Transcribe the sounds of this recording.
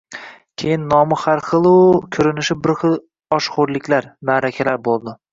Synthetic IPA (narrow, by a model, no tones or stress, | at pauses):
kʲʰejɪnːɒmɪχaɾχɨlˠʊkʲʰɵɾɪnɪʃɪbɪɾχɨlˠ | ɒʃχʊɾlɪkʲlaɾnaɾakʲʰalaɾbolˠd̪ɪ